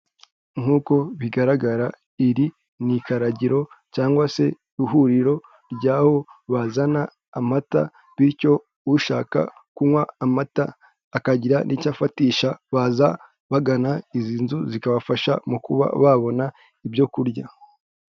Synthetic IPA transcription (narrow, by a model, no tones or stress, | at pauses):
ŋ̥uːko̞βiɡaɾaɡaɾa | iɾi | nikaɾaɟiɾo̞caːŋɡwase̞ | ɾuɦuɾiɾo̞ | ɾɟaːho̞βazanaː | m̥ata̰ | βiɾco̞ | uʃaːka̰kuŋwaːmataː | kaɟiɾanʔicafatiːʃaβaza | βaɡanaiziːnzuzikaβafaʃa̰mukuβa̰βaβo̞na | ibjo̞kuɾɟa